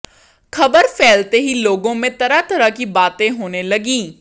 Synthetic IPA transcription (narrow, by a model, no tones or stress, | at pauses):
kʰəbəɾpʰɛːlt̪eːɦiːloːɡõːmẽːt̪əɾaːt̪əɾaːkiːbaːt̪ẽːɦoːneːləɡiː